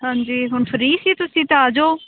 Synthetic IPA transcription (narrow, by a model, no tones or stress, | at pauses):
ɦãːɲd͡ʒiːɦʊɳpʰəɾiːsiːt̪ʊsĩːt̪ẽaːd͡ʒoː